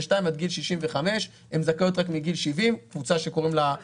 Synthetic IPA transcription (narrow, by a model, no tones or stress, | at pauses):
ʃtaimad̪ɡilʃiʃimveχame̞ʃ | hemzakao̞t̪̬ʁakmiɡilʃivimkvut͡saʃe̞ko̞ʁimla